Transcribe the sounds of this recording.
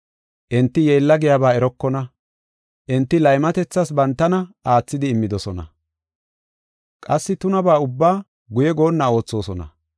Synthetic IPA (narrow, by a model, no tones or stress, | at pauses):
ʔɪnt̪ːɪjeːlːɐɡɪjabaːɛɾɔkːɔnɐ | ʔɪnt̪ːɪlɐjmɐt̪ɛt͡sːɐsbɐnt̪ːɐnɐaːt͡sːɪd̪ɪːmːɪd̪ɔsɔnɐ̰ | kʼɐsːɪt̪ʊnɐbaːʊbːaː | ɡʊjɛɡo̞ːnːɐo̞ːt͡sːo̞ːsɔnɐ̰